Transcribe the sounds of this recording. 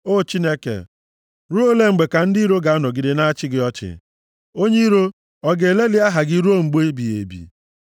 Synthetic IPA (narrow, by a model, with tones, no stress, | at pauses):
o˦˨t͡ʃi˦ne˦kḛ˨ | ɾu˦o˦le˦ŋ͡m̩˨ɡ͡be˨ka˨n̩˦di˦i˦ɾo˦ɡa˨a˦nɔ˨ɡi˨de˨na˦a˦t͡ʃɪ˦ɡɪ˦ɔ˦t͡ʃɪ̰˨ | o˦ɲe˦ɾo˦ | ɔ˦ɡe˨e˨le˦lɪ˦a˦ɦa˨ɡɪ˦ɾu˦o˦ŋ͡m̩˨ɡ͡bo˦e˦bi˨ḛ˨bḭ˨